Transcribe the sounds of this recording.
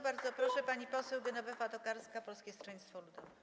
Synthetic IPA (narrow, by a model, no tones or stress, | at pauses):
baɾd̪zɔpɾɔʂɛpaɲipɔsɛwɡɘnɔbɛfat̪ɔkaɾskapɔlskʲɛst̪ʂɛɲʲt̪st̪fɔlud̪ɔvɛ